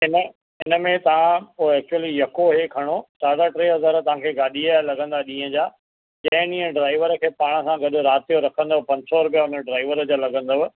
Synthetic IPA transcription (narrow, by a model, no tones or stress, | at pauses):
ɪnə | ɪnə̆mẽt̪ɐʋ̤ãpoːɛːk̚t͡ɕuwəlijɐkoɦekʰɐɽ̃osaːɽaʈɾeːɦɐzaːɾt̪ɐʋ̤ãkʰeːɡaːɗialɐɡʱə̃nd̪aɗĩːɦə̃d͡ʑaː | d͡ʑɐ̃ɦɪ̃nĩːə̃ɖɾaːɪʋəɾəkʰeːpaːɽ̃ə̆sãɡɐɗʊɾaːt̪ijoɾɐkʰə̃nd̪oʋpɐ̃ɲd͡ʑsɔɾʊpeʊnəɖɾaːɪʋəɾəd͡ʑaːlɐɡə̃nd̪əʋ